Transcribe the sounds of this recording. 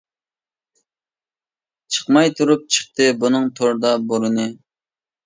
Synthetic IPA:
t͡ʃʰəχmɑjt̪ʰuɾup̚t͡ʃʰə̥χ̚t̪ɨbunɨŋt̪ʰoɾd̪ɑboɾɨnɨ

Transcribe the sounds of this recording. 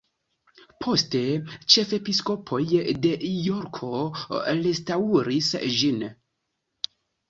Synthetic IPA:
pʰo̞ste̞t͡ʃe̞fe̞pisko̞pʰo̞jde̞joɾkʰo̞ɾestauɾisd͡ʒin

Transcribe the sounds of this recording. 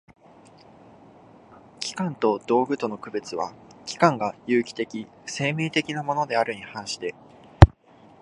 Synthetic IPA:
kʲi̥kãnt̪o̞d̪̥o̞ːɡɯ̟t̪o̞no̞kɯ̟be̞t͡sɨβa̰kʲi̥kãŋɡajɯ̟ːkʲi̥t̪e̞kʲi | se̞ːmʲeːt̪e̞kʲinamo̞no̞d̪e̞aɾɯ̟ɲ̟ihãɰ̃ɕi̥t̪e̞

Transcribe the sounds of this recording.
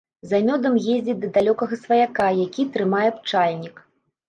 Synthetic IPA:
zamʲɔd̪ɐmjezʲd͡zʲɛd̪ɐd̪alʲɔkɐɣɐsvɐjakajakʲit̪ɾɨmajɛp̚t͡ʂalʲnʲik

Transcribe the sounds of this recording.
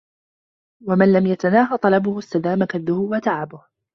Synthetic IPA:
wamanlamjat̪anaːɦat̪ˤɑlɑbʊhʊst̪ad̪aːmakaðːʊhʊwat̪aʕabʊh

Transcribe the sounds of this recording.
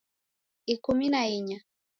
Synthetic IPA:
ikuminaiɲa

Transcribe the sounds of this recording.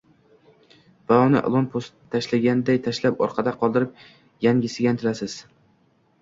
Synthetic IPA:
b̥aɒnɪ̰ʔlˠonpʰost̪ʰːaʃlaɡʲand̪ajt̪ʰaʃlapɒ̰ɾqʰɑd̪aqʰɒlˠd̪ɪɾɪp̚ | jaŋʲɪsɪɡʲant̪ʰɪlasɪz̥

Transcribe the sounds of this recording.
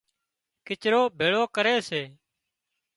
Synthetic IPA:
kɪt͡ʃɾoːbʱeːɭoːkəɾeːseː

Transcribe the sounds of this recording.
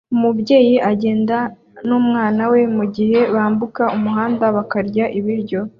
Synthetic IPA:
umubje̞ːjiʔaɟe̞ːnda | nuːmŋaːnawe̞muɟihe̞βaːmbukaumuɦaːndaβakaɾɟaʔiβiɾɟo̞

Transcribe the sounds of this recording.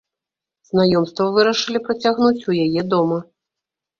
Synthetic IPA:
z̥najɔmst̪vɐvɨɾɐʂɨlʲipɾɐt͡sʲaɣnut͡sʲujajɛd̪ɔmɐ

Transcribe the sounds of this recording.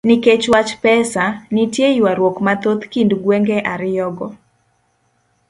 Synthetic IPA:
niket͡ʃwat͡ʃpɛsanitjeiwaɾwokmat̪ot̪kinduɡwɛŋɡɛʔaɾɪjɔɡɔ

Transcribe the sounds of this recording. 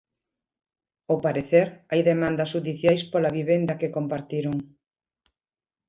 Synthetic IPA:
opaɾeθeɾajðemãnd̪ɐsʃuðiθjajspolɐβiβend̪ɐkekompaɾt̪iɾoŋ

